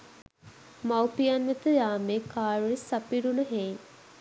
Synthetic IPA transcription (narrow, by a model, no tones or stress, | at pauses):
mawpijanʋet̪əjaːmeːkaːɾisapiɖunəɦen